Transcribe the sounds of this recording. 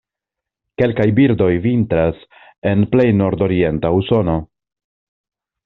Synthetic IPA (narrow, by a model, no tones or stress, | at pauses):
ke̞lkajbiɾdo̞jvintɾas | e̞nple̞jno̞ɾdo̞ɾie̞ntauso̞no̞